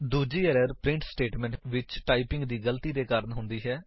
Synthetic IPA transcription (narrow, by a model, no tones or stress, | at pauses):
d̪uːd͡ʒiːəɾəɾpɾɪ̃ɳʈsʈeːʈmɛ̃ɳʈʋɪt͡ʃʈaːipɪŋɡd̪iːɡəlt̪iːd̪eːkaːɾənɦʊnd̪iːɦɛː